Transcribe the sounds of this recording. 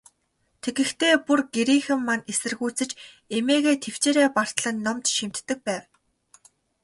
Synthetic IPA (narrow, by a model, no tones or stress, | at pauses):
t̪ʰeɣɘ̆xt̪ʰeːpurɡ̥eɾiːxɘ̆mːanesɘ̆rɣuːt͡sɘ̆t͡ɕ | emeːɣeːt̪ʰew̥t͡ɕeːɾeːpar̥t̪ɮə̆nːɔmt̪ʃim̥t̪ːɘ̆k̚pæːw